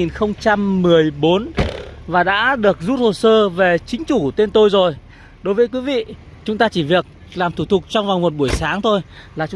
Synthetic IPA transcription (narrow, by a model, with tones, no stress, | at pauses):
i˨˩nxə˧wŋ͡mt͡ɕa˧mːɨ˨˩əjɓo˨˦nvaː˨˩ɗa̰ː˧˥ɗɨ˨˩ək̚zu˦˥t̚ho˨˩səː˧ve˨˩t͡ɕï˨˦ŋ̟t͡ɕu˧˩t̪e˧nt̪o˧jzo˨˩j | ɗo˨˦jvəː˨˦jkwi˨˦vḭ˧˨ | t͡ɕʊ˨˦ŋ͡mt̪aː˧t͡ɕi˧˩vi˨˩ək̚ | laː˨˩mt̪ʰu˧˩t̪ʰʊ˨˩k̚t͡ɕɔ˧wŋ͡mva˨˩ŋŋ͡mmo˨˩t̚ɓu˧˩əjsaː˨˦ŋt̪ʰo˧jlaː˨˩t͡ɕ